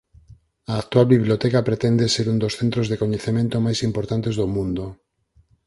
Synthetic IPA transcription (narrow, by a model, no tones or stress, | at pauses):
ɐːk̚t̪walβiβliot̪ɛkɐpɾet̪ɛnd̪eseɾũnd̪osθẽnt̪ɾozðekoɲeθemẽnt̪ʊmajsimpoɾt̪ant̪ezðomũnd̪o